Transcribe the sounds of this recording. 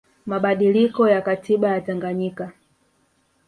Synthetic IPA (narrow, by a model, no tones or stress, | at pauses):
maɓaɗilikɔjakatʰiɓajataŋɡaɲika